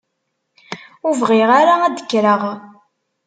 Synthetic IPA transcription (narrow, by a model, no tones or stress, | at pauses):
ʊvʁɪʁaɾaæd̪ə̥kːɾəʁ